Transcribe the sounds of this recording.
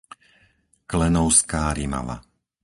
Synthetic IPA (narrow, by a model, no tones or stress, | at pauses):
klɛnɔʊskaːɾima̰ʋa̰